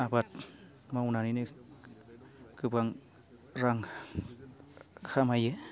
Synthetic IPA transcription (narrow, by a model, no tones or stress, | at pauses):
abat̪̚ | maunanini | kɨbaŋ | ɾaŋ | xʰamaje